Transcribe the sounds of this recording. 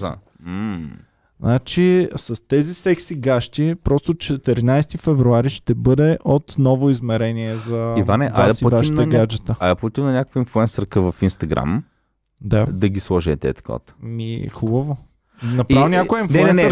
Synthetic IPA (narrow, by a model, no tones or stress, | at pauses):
a̰ | znat͡ʃisɐst̪ɛzisɛksiɡaʃt̪ipɾɔst̪ot͡ʃɛt̪ɛɾinajst̪ifɛvɾuaɾiʃt̪ɛbɤd̪ɛʔot̪nɔvoizmɛɾɛniɛzɐivanɛʔaasivaʃiʃit̪əɡad͡ʒɛt̪əaɐpot̪imnɐnʲɲakəkvəinfluɛnsəɾkəvɐfinst̪ɐɡɾa̰m | d̪ad̪ɐɡʲislˠɔʒɛːt̪ɛ̰t̪kɔ̰t̪mixubəvo | nɐpɾivnʲaojəinfnlɛɛɛə